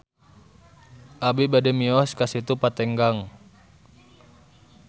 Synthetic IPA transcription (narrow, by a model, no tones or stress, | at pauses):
ʔabibadɛmiɔskasit̪upat̪ɛŋɡaŋ